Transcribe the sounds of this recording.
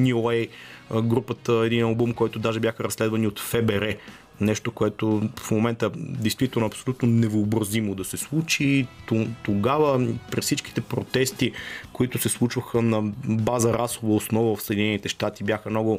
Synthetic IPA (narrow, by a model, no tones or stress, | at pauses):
nʲioɛjɡɾupət̪əɛd̪inɐlˠbumkɔjt̪ʊd̪aʒɛbʲjaxəɾɐslɛd̪vɐniot̪fɛbɛɾɛ | nɛʃt̪okoɛt̪ofmomɛnt̪əd̪ɛjst̪vit̪ɛlˠnʊoɐpso̥lʲut̪nonɛvoːbɾɐzimod̪ɐsɛslˠut͡ʃit̪ot̪oɡavəpɾisit͡ʃk̟i̥t̪ɛpɾot̪ɛst̪ikoit̪ʊsɛslˠut͡ʃvəxənɐbazəɾasʊvəosnɔvəvɐfsəɛd̪ʲinɛnit̪ɛʃt̪at̪ibjaxəmnɔɡʊ